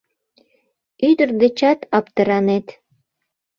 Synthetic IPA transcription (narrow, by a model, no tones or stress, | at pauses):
yd̪ərd̪et͡ɕɑt̪ɑpt̪ə̆ɾɑnet̪